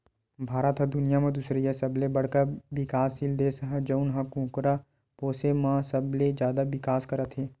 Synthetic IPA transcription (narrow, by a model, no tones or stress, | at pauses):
bʱaːɾət̪ɦɐd̪ʊnijamẽd̪usɾiɦɛsɐblebɐɽ̤kaʋɪkaːsild̪eːsəɦɛ̃d͡ʒəʊnɦɐkũːkɾa | poːsemãsəbled͡ʒjaːd̪aʋɪkaːskɐɾət̪ɦeː